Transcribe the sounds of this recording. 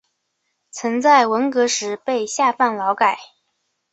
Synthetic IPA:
t͡sʰə˧˥ŋt͡sa˥˩ɪwə˧˥nkɤ˧˥ʂɻ̩˧˥pe˥˧ɪɕja˥˧fa˥˩nlɑ˧˥ʊka˨˩˦ɪ

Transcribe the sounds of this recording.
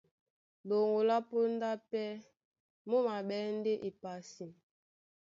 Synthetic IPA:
lo˨ŋo˨la˦po˦n˦da˦pɛ˦ | mo˦ma˨ɓɛ˦n˦de˦ʔe˨pa˨si˨m

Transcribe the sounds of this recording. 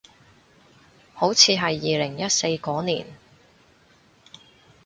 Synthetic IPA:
ho˨˥wt͡sʰiː˨˧ɦɐ˨jːiː˨lɪ˨˩ŋjɐ˥t̚se˧jkɔː˨˥nḭː˨˩n

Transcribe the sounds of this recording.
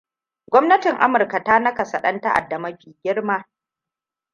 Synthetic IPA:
ɡʷɔ˦mnɐ˦tɪ˨ŋʔa̰˦mʊ˨rka˨taː˦nɐ˦ka˨sɐ˨ɗɐ˦nta˦ʔa̰˨dːɐ˨mɐ˦ɸiː˨ɡʲɪ˦ɽmaː˦

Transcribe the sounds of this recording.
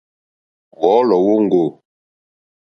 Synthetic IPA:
wɔ˨˦lɔ˨wo˦ŋ̩˦ɡo˨

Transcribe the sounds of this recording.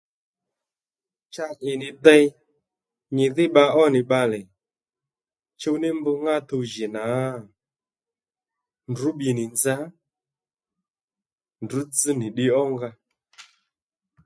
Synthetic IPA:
t͡ʃa˧ɲɪ˨nɪ˨dɛ˧j | ɲɪ˨ðɪ˦ɓa˧ʔɔ˦nɪ˨ɓa˧lɛ˨ | t͡ʃo˧wnɪ˦mbʊ˧ŋɡa˦˨t̪o˧wʒɪ˨na˨˦˨ | ndu˨˦ɓi˨nɪ˨nd͡za˦ | ndu˨˦t͡s̩˦nɪ˨ɗɪ˧ɔ˦ŋɡa˧

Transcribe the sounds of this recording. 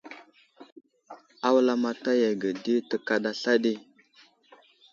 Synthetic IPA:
a˦wla˦ma˨ta˦ja˨ɡə˨di˦tə˨ka˨ɗa˨ɬa˦ɗi˦˨

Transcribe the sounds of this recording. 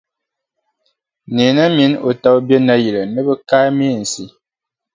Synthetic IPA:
ne˨na˦mi˨˦no˨ta˦bjə˦na˦ji˨lə˨nə˦bə˦ka˦me˦˨n̩˨si˦

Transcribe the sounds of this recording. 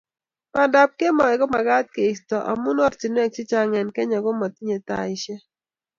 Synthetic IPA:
pa˨da˨p̚ke˦mɔ˨ɛ˨ɡɔ˦ma˨ɡa˦t̪̚ke˨i˨stɔ˨ʔa̰˨mu˦nɔ˦ɾt͡ʃi˨nwɛ˦k̚t͡ʃɪ˦t͡ʃa˦ŋɛ˨nkɛ˦ɲa˨ɡɔ˦ma˨t̪i˦ɲe˨t̪a̰˨ɪ˦ʃɛ˦

